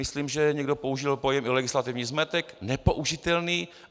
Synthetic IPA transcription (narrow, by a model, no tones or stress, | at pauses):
ɪsliːmʒɛɲɛɡdo̞po̞uʒɪlpojɛmɪlɛɡɪslat̪ɪvɲiːzmɛt̪ɛknɛpoʔuʒɪt̪ɛlniː